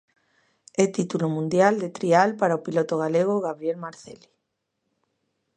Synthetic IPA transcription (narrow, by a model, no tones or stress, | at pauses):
et̪it̪ulomũnd̪jald̪et̪ɾialpaɾaopilot̪oɣ̞aleɣ̞oɣaβɾjelmaɾθeli̥